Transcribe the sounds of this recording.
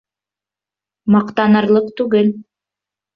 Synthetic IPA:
mɑqt̪ɑnɤ̆ɾlˠɤqt̪ʉɡɘl

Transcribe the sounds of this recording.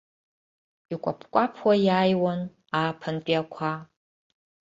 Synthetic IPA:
ikʷʼapʰkʷʼapʰwɐjaːjwɐn | aːpʰɐntʼiakʷʰa

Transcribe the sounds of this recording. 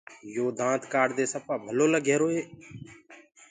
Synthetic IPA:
joːd̪ʱãːt̪kaːɽd̪eːsəpaːbʱəloːləɡeːɾoːeː

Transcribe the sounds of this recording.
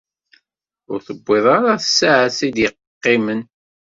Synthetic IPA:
ʊɾθəbːɪðˤɑɾaθə̥sːaʕəsid̪jəq | qːɪmən

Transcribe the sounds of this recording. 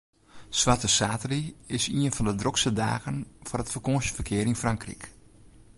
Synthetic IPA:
sʋatəsaːtəriɪsiənfɔndədroksəda̰ːɣənfʊrətfərkoʃəfərkʰɪəɾinfraŋkrḭk

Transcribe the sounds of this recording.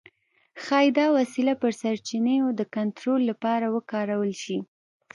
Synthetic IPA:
xɑjd̪ɑwasilapəɾsaɾt͡ʃinejod̪əkant̪ɾolːapɑɾawəkɑɾawəlʃi

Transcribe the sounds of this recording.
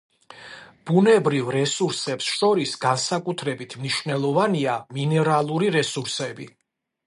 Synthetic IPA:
b̥unɛbɾivɾɛsuɾsɛpsʃɔɾisɡ̥ansakʼut̪ʰɾɛbit̪ʰmniʃvnɛlˠɔvaniaminɛɾalˠuɾiɾɛsuɾsɛbi

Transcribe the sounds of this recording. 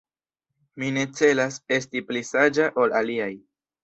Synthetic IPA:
mine̞t͡se̞lase̞stiplisad͡ʒaʔo̞laliaj

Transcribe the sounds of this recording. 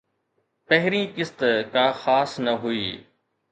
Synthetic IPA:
pəɦɪɾiːkɪst̪kaːxaːsnəɦuiː

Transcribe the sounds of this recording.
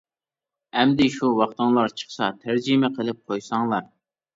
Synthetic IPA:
ɛmd̪ɪʃuwɑχt̪ɨŋlˠɑɾt͡ʃʰə̥χsɑ̰t̪ʰæɾd͡ʒimɛqʰəlˠɪp̚qʰojsɑŋlˠɑɾ

